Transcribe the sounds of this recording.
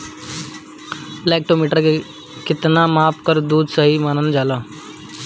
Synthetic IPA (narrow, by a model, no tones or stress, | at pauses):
lɛːk̚ʈoːmiːʈəɾke | kɪt̪namaːpkəɾd̪uːd̪səɦimaːnənd͡ʒaːlaː